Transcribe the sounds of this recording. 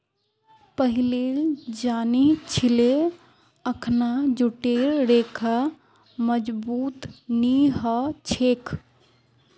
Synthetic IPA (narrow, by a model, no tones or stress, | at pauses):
pəɦiled͡ʒanit͡ʃʰile | əkʰnad͡ʒuʈeɾɾekʰa | məd͡ʒbuːt̪niɦət͡ʃʰekʰ